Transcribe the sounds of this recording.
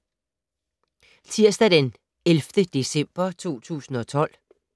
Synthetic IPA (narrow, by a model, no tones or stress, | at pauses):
t͡sʰiɐ̰sd̥æd̥en | elfd̥əd̥e̝sem̰b̥ɐt͡sʰo̝̰ːt͡sʰṵːsn̩ɒ̽t͡sʰɒ̽l̰